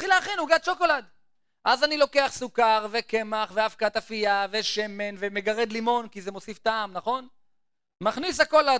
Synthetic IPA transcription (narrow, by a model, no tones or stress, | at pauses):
t̪χileːχinhuɡad̪ʃo̞ko̞lad̪ | ʔazanilo̞ke̞aχsukaʁve̞ke̞maχveafkaːt̪afiave̞ʃe̞me̞nve̞me̞ɡaʁe̞d̪limo̞nkizemo̞sift̪aːmnaχo̞n | maχnis̬ako̞la